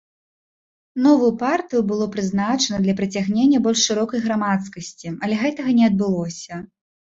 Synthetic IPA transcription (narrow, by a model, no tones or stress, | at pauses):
nɔvujupart̪ɨjubɨlˠɔpɾɨznat͡ʂɐnɐd̪lʲɐpɾɨt͡sʲaɣnʲenʲːɐbɔlʲʂʂɨɾɔkɐjɣɾamat̪skɐsʲt͡sʲiɐlʲɛɣɛt̪ɐɣɐnʲɛɐd̪̚bɨlˠɔsʲɐ